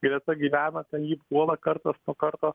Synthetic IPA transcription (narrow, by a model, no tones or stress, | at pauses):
ɡɾʲɛt̪ɐɡʲiːʋʲæːnɐt̪ʲɐnjiːpkuɔlˠɐkɐɾt̪ɐsnuɔkɐrt̪oː